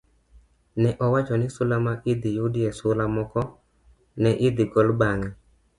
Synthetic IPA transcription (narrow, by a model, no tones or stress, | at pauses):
nɛʔɔwat͡ʃɔnɪsʊlamaʔɪd̪ɪjudɪesʊlamɔkɔ | nɛʔɪd̪ɪɡɔlbaŋɛ